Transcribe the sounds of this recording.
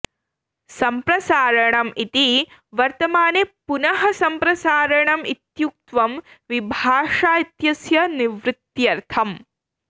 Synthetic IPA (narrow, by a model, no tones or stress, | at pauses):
sɐmpɾɐsaːɾɐɳɐmit̪iʋɐɾt̪ɐmaːnepunɐɦɐsɐmpɾɐsaːɾɐɳɐmit̪juk̚t̪ʋɐm | ʋibʱaːʂaːit̪jɐsjɐniʋɾɨt̪jɐɾt̪ʰɐm